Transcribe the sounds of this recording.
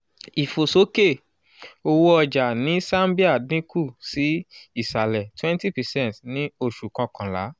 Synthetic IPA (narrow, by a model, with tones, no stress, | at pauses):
i˨fo˨so˨˦ke˦˨ | o˧wu˦ɔ˧d͡ʒa˨nĩ˨˦sã˦mbi˦a˦˨dĩ˦ku˦˨si˨˦i˦˨sa˨lɛ˨twɛ̃˦nti˦˨pɛ˨sɛ̃˦ntnĩ˦o˦˧˨ʃu˨kã˧kã˨la̰˨˦